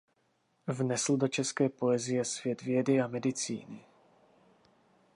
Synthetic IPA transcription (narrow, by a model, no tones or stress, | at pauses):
vnɛsl̩do̞t͡ʃɛskɛːpo̞ɛzɪjɛsvjɛd̪vjɛdɪamɛdɪt͡sḭːnɪ